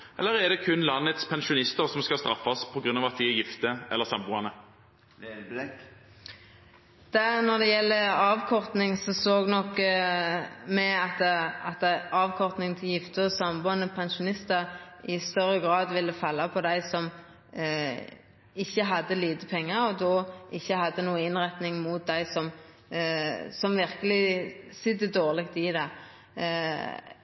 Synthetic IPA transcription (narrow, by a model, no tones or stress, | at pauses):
ʔɛ̰lːəɾɛd̪ɛkʰʉnlɑnːət̪spʰɛnʃʊnɪst̪əɾsɔmskɑst̪ɾɑfːɑspʰɔɡɾʉnɑːʋɑt̪̚d̪ɪɛjɪft̪əʔɛ̰lːəsɑmbuːɑnə | d̪̥ænɔd̪ɛjɛlːəɑːʋkʰɔʁt̪nɪŋsɔsoːɡnɔkː | mɛɑt̪ɑt̪̚d̪æɑːʋkʰɔʁt̪nɪŋt̪ʰɪljɪft̪əɔsɑmbuːɑnəpʰɛnʃʊnɪst̪əɾɪst̪œɾːəɡɾɑːd̪ʋɪlːəfɑlːɑpʰɔd̪æɪsɔm | ɪçːəɦɑd̪ːəliːd̪əpʰɛŋːəɾɔd̪oːɪçːəhɑd̪ːənuːəɪnʁɛt̪nɪŋmʊt̪̚d̪æɪsɔm | sɔmʋɪʁkəlɪsɪd̪əd̪oːʁlɪkt̪ɪd̪ɛ